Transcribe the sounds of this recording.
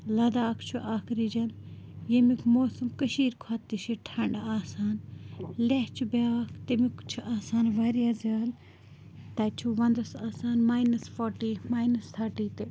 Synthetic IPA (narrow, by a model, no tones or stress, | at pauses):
lɐd̪aːkʰt͡ʃʰuʔaːkʰɾid͡ʒɐn | jemikʰmoːsɐmkəʃiːɾkʰaːt̪ːiʃiʈʰɐɳɖaːsaːnleɦt͡ʃʰubeaːkʰt̪emikt͡ʃʰuʔaːsaːnʋaːɾijaːzjaːl | t̪ɐt͡ʃʰuʋɐnd̪ɐsaːsaːnmaːjnɐsfoːɾʈiːmaːjnɐst̪ʰaːɾʈiːt̪e